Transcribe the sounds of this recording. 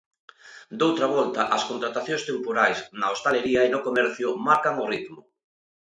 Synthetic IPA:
d̪owt̪ɾɐβ̞ɔlt̪ɐʔɐskont̪ɾat̪aθjõŋst̪empoɾajsnaost̪aleɾiɐenokomɛɾθjʊmaɾkaŋorit̪mʊ

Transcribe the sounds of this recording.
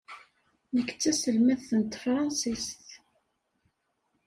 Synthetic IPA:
nəkːt͡sːæsəlmæðθənt̪fɾˤɑnsist̪

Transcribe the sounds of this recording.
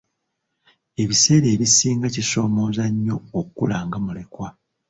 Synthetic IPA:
e̞βise̞ːɾe̞ːβisiːŋɡaciso̞ːmo̞ːzaɲːo̞okkːulaːŋɡamule̞kwa

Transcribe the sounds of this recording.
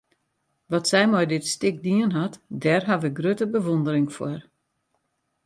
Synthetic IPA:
ʋɔtsɛjmɔjdɪtstɪk̚diənɦatdɛrɦaʋəɡrøtəbəʋondəɾɪŋfwar

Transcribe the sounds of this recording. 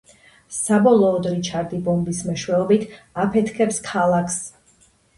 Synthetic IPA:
sabɔlˠɔːd̪ɾit͡ʃʰaɾd̪ibɔmbismɛʃwɛɔbit̪ʰapʰɛt̪ʰkʰɛpskʰalˠakʰs

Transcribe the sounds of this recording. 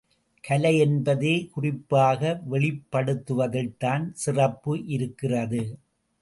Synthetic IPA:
kʰɐlɐjɛnbɐðeːkʊrɪpːaːɣɐʋɛɭɪpːɐɽɯt̪ːɯʋɐðɐɭt̪aːnsɪrɐpːɯʔɪɾɯkːɪrɐðɯ

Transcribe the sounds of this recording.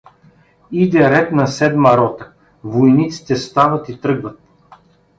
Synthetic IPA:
id̪ɛɾɛt̪nɐsɛd̪mɐɾɔt̪ə̥ | vojnit̪si̥t̪ɛst̪avɐt̪it̪ɾɤɡvɐt̪̚

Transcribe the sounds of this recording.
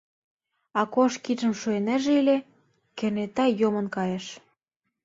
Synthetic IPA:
ɑkoʃkiʒə̆mʃuenæ̆ʒeilʲĕ | kĕrnet̪ɑjomɤ̆nkɑjĕʃ

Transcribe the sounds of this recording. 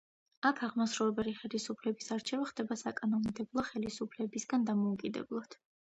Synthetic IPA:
akʰaʁmasɾuvɛbɛliχɛlisupʰlɛbisaɾt͡ʃʰɛvaχd̪ɛbasakʼanɔnid̪ɛblˠɔχɛlisupʰlɛbisɡand̪amɔukʼid̪ɛ̰blˠɔd̪̥

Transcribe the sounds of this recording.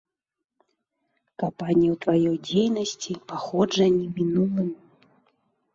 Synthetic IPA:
kampanʲijɐwt̪vajɔjd͡zʲejnɐsʲt͡sʲipaxɔd͡ʐɐnʲimʲinulˠɨmʲ

